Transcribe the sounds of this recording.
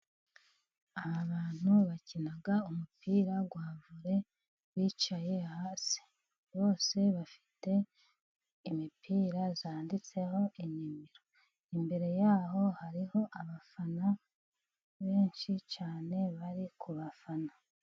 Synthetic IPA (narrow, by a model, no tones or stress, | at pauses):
aβaβaːn̥huβacinaɡaumupiːɾaɡwaːvuɾe̞ | wiːt͡ʃaje̞haːsi̥ | βo̞ːse̞βafi̥te̞ | imipʰiːɾazaːndit͡se̞ho̞ʔiɲimiɾo̞ | imbe̞ɾe̞jaːho̞haɾiho̞ʔaβafana | βe̞ːnʃit͡ʃaːne̞βaɾikʰuβafana